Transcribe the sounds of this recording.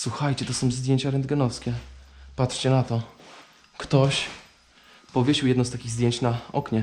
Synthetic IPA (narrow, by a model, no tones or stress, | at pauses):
swuxajt͡ɕɛt̪ɔsɔ̃w̃zd̪ʲjeɲt͡ɕaɾɛnd̪ɡɛnɔfskʲɛpat̪ʂt͡ɕɛnat̪ɔ | kt̪ɔɕ | pɔvʲjeɕiwjɛd̪̃wst̪akʲiɣzd̪ʲjeɲt͡ɕnaɔkɲɛ